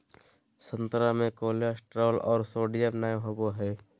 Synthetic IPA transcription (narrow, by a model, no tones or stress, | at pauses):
sə̃nt̪ɾamẽkoːljasʈɾɔːlɔ̰ːɾsoːɖijəɾnaːjɦoboɦɛː